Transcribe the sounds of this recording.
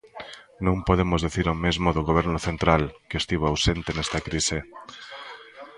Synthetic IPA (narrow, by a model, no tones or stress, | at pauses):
nõmpoðemozðeθiɾomezmoðoɣoβ̞ɛɾnʊθent̪ɾalkest̪iβaawsent̪enest̪akɾise